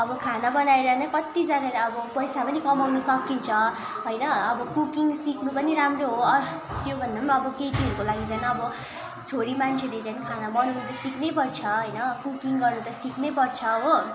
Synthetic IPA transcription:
ʌbʌkʰanabʌnaeɾʌnʌkʌt̪id͡zanaleʌbʌpʌjsapʌnikʌmawnusʌkint͡sʰʌ | ɦojnʌʌbʌkukiŋsiknupʌniɾamroɦoʌ | t̪jobʱʌnd̪aʌbʌketiɦʌɾukolaɡid͡zanaːbʌ | t͡sʰoɾimant͡sʰeled͡zanikʰanabʌnunut̪ʌsiknep̬ʌrt͡sʰʌɦʌjnʌkukiŋɡʌrnut̪ʌsiknep̬ʌrt͡sʰʌɦo

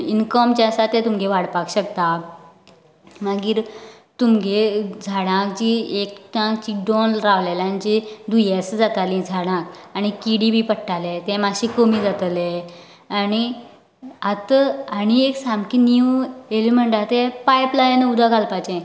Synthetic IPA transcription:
inkəmt͡ɕasat̪ɛ̃t̪umɡeʋaɽpakɕəkt̪a | maɡiːɾ | t̪umɡʱed͡zʱaɽãkd͡ʑiːekʈãkt͡ɕiɖonɾaʋleljand͡ʑid̪ujɛsd͡zat̪alĩd͡zʱaɽãkaɽ̃ikiɽibipəʈʰːalet̪ɛ̃maɕikəmid͡zat̪le | ani | at̪əañieksamkiniuelem̤əɳʈat̪epajplajenəud̪ʱaɡʱalpat͡ɕẽ

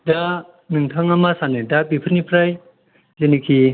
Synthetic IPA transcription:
da | nɯŋtʰaŋamasanɯdapipʰɯɾnipʰɾaj | zenikʰi

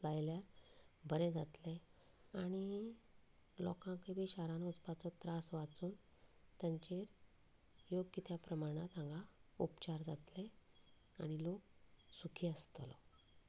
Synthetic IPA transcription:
lajljaɾbʱəɾɛ̃d͡zat̪le | aɽ̃i | lɔ̰kãkebʱiɕaɾanɔt͡spat͡sɔt̪ɾasʋat͡suːn | t̪jaɲt͡ɕeɾ | joɡkit̪ʰjapɾəmaɽ̃at̪ãŋɡʱaupt͡ɕaɾd͡zat̪le | aɽ̃ilok̚sukʰiəst̪lɔ̰

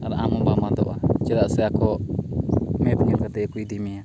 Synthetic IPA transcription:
aɾaʔamɔbamad̪ɔ̰ʔat͡ʃɛdaʔsɛakɔ | mɛt̪ŋɛnkat̪ɛkujd̪imɛja

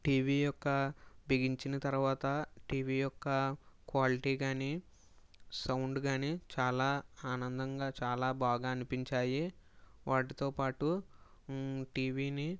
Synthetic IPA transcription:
ʈiːʋiːjɔkːɐbʱeɡiɲt͡ʃinɐt̪ɐɾuʋaːt̪ɐʈiːʋiːjɔkːɐkʋaːliʈiːɡaːniː | sɐwɳɖɡaːniːt͡ʃaːlaːaːnɐnd̪ɐŋɡaːt͡ʃaːlaːbaːɡaːɐnipiɲt͡ʃaːjiʋaːʈit̪oːpaːʈu | ʈiːʋiːni

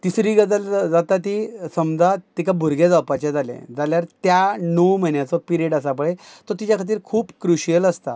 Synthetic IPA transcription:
t̪isɾiɡəd͡zəld͡zat̪at̪isəmd͡zat̪ikabʱuɾɡʱed͡zapat͡ɕẽd͡zalḛ̃d͡zaljaɾt̪janowmənjat͡sɔpiɾeʈəs̬apəɭet̪ɔt̪it͡ɕjakʰat̪̬iːɾkʰuːpkɾuɕijələst̪a̰

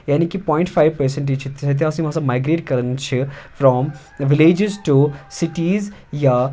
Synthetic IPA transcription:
jaːnikipɔ̃ːɪ̃ɳʈfaɪʋpəɾsẽɳʈiːt͡ʃʰit̪ʰsʰet̪̬eɐsãimãːsãmaɪɡɾeːʈ̚kɐɾənt͡ʃʰifɾɔːm | ʋɪleːd͡ʒɪzʈusɪʈiːz | ja

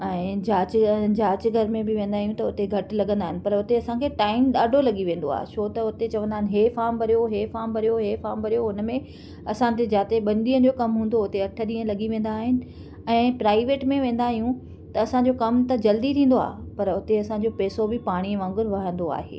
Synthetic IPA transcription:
ɛ̃ːd͡ʑaːt͡ɕd͡ʑaːt͡ɕɡʱɐɾmẽbɪʋẽːn̆d̪aːɦijũt̪ɐʊt̪eɡʱɐʈ̆lɐɠə̃nd̪aːɦɪnɪ̆pɐɾʊt̪eɐsãkʰeːʈaːɪmɗaːɖʱolɐɠiʋẽːn̆d̪oa̰ːɦḛsʰoːt̪ɐʊt̪et͡ɕɐʋə̃nd̪aːɦɪnɪ̆ɦeːfaːɾmbɐɾijoɦeːfaːmbɐɾijoɦeːfaːɾmbɐɾijoʊnmẽ | ɐsãt̪ed͡ʑaːt̪eɓɐnɗiːə̃nd͡ʑoːkɐmɦũːnd̪oʊt̪eɐʈʰəɗiːə̃lɐɠiʋẽːn̆d̪aːɦɪnɪ̆ | ɛ̃ːpɾaːɪʋeːʈmẽʋẽːn̆d̪aːɦijũ | t̪ɐːsãɲd͡ʑokɐmt̪ɐd͡ʑɐld̪it̪ʰĩːn̆d̪oa̰ːɦpɐɾʊt̪eɐsãɲd͡ʑopɛːsobɪpaːɽ̃iʋãːŋɡʊɾʋɐɦə̃nd̪oa̰ːɦḛː

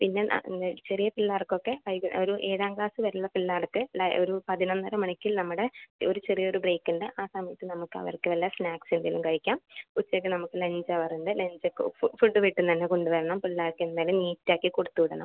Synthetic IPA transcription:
pinːe̞̰t͡ɕerijɐpilːaːɽɐkːo̞kːe̞ɐjɡoɾuʔe̞ːðaːŋɡlaːsɨʋɐɾuɭːɐpilːaːɽɐkːɨloɾupɐðinɐnːɐɾɐmɐɳikʲːilnɐmːuɽe̞oɾut͡ɕe̞rijɐoɾubreːkːunɖeʔaːsɐmɐjɐt̪ːɨnɐmukːɨɐ̰ʋɐ̰rkːɨʋɐlːɐsnaːksend̪ilumkɐɻikʲːaːmput͡ɕːɐkːɨnɐmukːɨle̞ɲd͡ʑɐɐpɐrɐjunɐdɨle̞ɲd͡ʑokːfuɖːɨʋiʈːunt̪ɐnːe̞ko̞ɳɖuʋɐɾɐɳɐmpilːaːrkːend̪aːjɐlumniːtːaːkːikoɽut̪ːuʋiɽɐɳɐ̰m

